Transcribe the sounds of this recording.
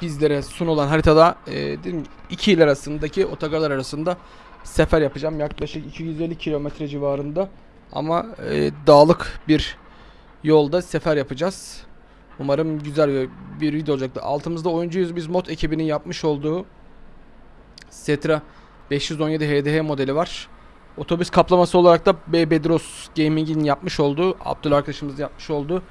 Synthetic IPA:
bizlʲeɾɛsuno̞lˠanɦaɾit̪ʰad̪ˠa̰ːd̪elʲimiicʰiilʲaɾasɯnd̪acʰiʔo̞t̪ʰaɡalˠaɾaɾasɯnd̪a | sefæɾjapɯd͡ʒaːmjaklˠaʃɯkicʰijyze̞lʲːicʰilʲo̞mɛt̪ɾɛd͡ʒivaːɾɯnd̪a | a̰maːd̪aːlˠɯkbiɾ | jo̞lˠd̪asefæɾjapʰɯd͡ʒaz̥ | umaɾɯmɟyzælʲvɛbiɾvid̪iolˠd͡ʒak̚t̪ɯ̰ʔa̰lˠt̪ʰɯmɯzd̪ao̞jund͡ʒujyzbizmo̞t̪ʰecʰibininjapmɯʃo̞lˠd̪uː | sɛt̪ʰɾa | bɛʃjyzonje̞d̪iɦeːd̪eɦemo̞d̪elʲivaɾ̥ | o̞t̪ʰo̞byskʰaplˠamasɯo̞lˠaɾak̚t̪abebed̪ɾosɟejmiɲɟininjap̚mɯʃo̞lˠd̪uːʔa̰b̚d̪ulˠaɾkʰad̪aʃɯmɯzɯjap̚mɯʃo̞lˠd̪uː

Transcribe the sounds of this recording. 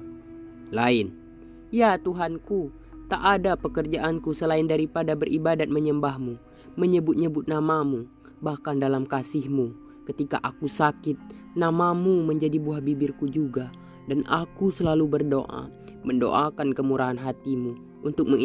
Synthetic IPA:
laɪn | jat̪uɦanku | t̪aʔːdapəkərd͡ʒaʔankusəlaɪndaɾipadabərʔibadat̪̚məɲəmbahmu | məɲəbʊt̪̚ɲəbʊt̪̚namamu | bahkandalamkasɪhmu | kət̪ika̰ʔakusakɪt̪̚ | namamuməɲd͡ʒadibuahbibɪrkud͡ʒuɡa | dana̰kusəlalubərdo̰ʔa̰ | məndo̰ʔakankəmuɾʔaɦanɦat̪imu | ʔunt̪ʊk̚məŋ

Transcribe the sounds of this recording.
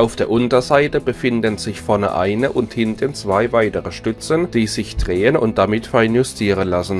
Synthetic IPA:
ʔaʊfd̥eːɐʔʊntɐzaɪtəbəfɪndənz̥ɪçfɛɐnə̰ʔa̰ɪnəʔʊnthɪntʰənt͡sv̥aɪvaɪtəʁəʃtʏt͡sənd̥iːzɪçd̥ʁeːənʊ̰nt̚d̥amɪtfɛɐnjʊstʰiːʁənlasn̩

